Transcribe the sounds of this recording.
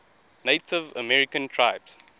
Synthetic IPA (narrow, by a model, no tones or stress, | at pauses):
neɪtɪvə̰mɛɹɪkə̃ntʰɹaɪbs